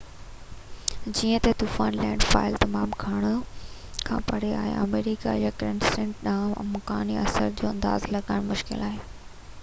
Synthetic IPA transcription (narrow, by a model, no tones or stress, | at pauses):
d͡ʑiːə̃t̪et̪uːfaːnlɛ̃ːɳɖfa̰ːɪlt̪ɐmaːmkʰaːɽ̃ʊ | kʰã̰ːpɐɽ̤ea̰ːɦḛʔɐ̰meːɾika̰jakɐɾə̃nsẽɳʈɗaːm̰mʊkaːniɐsə̰ɾd͡ʑoːɐ̃nd̪a̰ːzlɐɠaːɪɽ̃mʊʃkɪ̰laːɦeː